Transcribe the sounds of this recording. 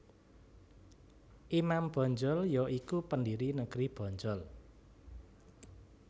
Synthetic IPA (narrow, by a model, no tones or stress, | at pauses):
ʔimamb̥ɔ̤ɲd͡ʒɔljɔʔikupəndiɾinəɡ̥ɾib̥ɔ̤ɲd͡ʒɔl